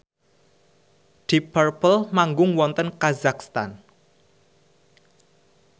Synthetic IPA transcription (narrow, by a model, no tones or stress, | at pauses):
d̪̥ipərpəlmaŋɡʊŋwɔnt̪ənkazakst̪a̰n